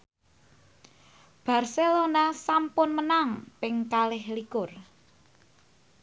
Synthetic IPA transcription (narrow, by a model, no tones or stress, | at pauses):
b̥a̤rselonasampʊnmənaŋpɪŋkalɪhlikʊr